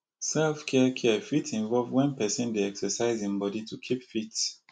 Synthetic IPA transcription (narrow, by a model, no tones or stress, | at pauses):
sɛlfkʰɛkʰɛfitĩnvɔlvwɛ̃npɛsə̃ndeɛksəsaɪzĩmbɔditʰukʰipfit